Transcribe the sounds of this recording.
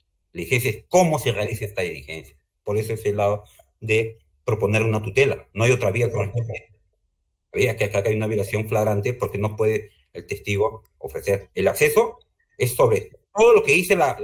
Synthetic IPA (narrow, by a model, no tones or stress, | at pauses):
ilixensjaeko̞mo̞serealisaest̪aðilixe̞̰nsjḁ | po̞ɾe̞soeselːaðo | ðe | pɾo̞po̞ne̞ɾunat̪ut̪e̞lanoajo̞t̪ɾaβiakonet̪ee | βiakeakakajunaβjolasjo̞ɱflaɣɾant̪e̞po̞ɾke̞no̞pwe̞ðeː | lt̪e̞st̪iɣ̞o̞ | o̰fɾe̞se̞ɾelakse̞so̞ | e̞sːo̞βɾe̞ | t̪o̞ð̞o̞lo̞ke̞ðise̞la